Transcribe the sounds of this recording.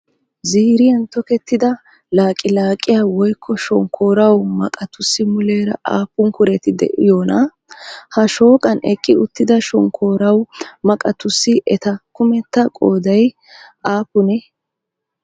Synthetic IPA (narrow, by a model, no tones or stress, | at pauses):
ziːɾɪjɐnt̪ɔkɛt̪ːɪd̪ɐ | laːkʼɪlaːkʼːɪjawɔjkʰːɔʃɔŋkʰːo̞ːɾɐwmɐ̰kʼɐt̪ʊsːɪmʊleːɾɐ̰ʔa̰ːpːʊŋkʊɾɛt̪ɪd̪ɛ̰ʔɪjoːnɐ | hɐʃo̞ːkʼɐnɛ̰kʼːɪʊt̪ːɪd̪ɐʃɔŋkʰo̞ːɾɐwmɐkʼɐt̪ʊsːɪʔɛt̪ɐkʊmɛt̪ːɐkʼoːd̪ɐj | ʔaːpːʊnɛ